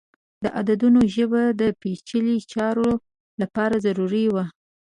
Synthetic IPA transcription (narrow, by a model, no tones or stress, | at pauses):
d̪əʔad̪ad̪unoʒəbad̪əpet͡ʃəlit͡ʃɑɾo | lapɑɾazaɾuɾiwa